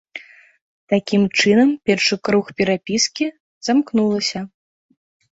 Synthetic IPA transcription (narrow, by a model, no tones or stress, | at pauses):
t̪akʲimt͡ʂɨnɐmpʲɛrʂɨkɾuxpʲɛɾapʲiskʲi | z̥amknulˠɐsʲɐ